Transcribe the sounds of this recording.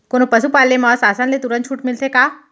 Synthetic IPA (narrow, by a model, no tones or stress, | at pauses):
koːnopəsupaːlːemasaːsãnlet̪uɾə̃nt̪t͡ʃʰuːʈmɪlsekaː